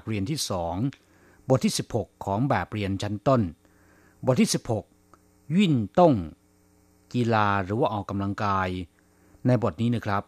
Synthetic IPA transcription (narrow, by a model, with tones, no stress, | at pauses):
k̚ɾi˧ənt̪ʰiː˥˩sɔː˩˦ŋ | bo˨˩t̪ʰːiː˥˩si˨˩p̚ho˨˩kʰːɔː˩˦ŋbɛː˨˩p̚ɾi˧ənt͡ɕʰa˦˥nt̪o˥˩n | bo˨˩t̪ʰːiː˥˩si˨˩p̚ho˨˩k̚ | wi˥˩nt̪o˥˩ŋ | ki˧laː˧ɾɯː˩˦waː˥˩ʔɔː˨˩kːa˧mla˧ŋkaː˧j | na˧jbo˨˩t̪̚niː˦˥na˦˥˩kʰɾa˦˥p̚